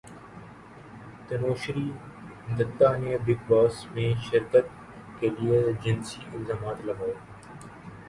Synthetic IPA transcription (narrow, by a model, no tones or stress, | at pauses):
t̪ənoːʃɾiː | nd̪ət̪ːaːnebɪkʋaːsmẽːʃɪɾkət̪̚ | keːlijeːd͡ʒɪnsiːʔɪlzaːmaːt̪ləɡaːeː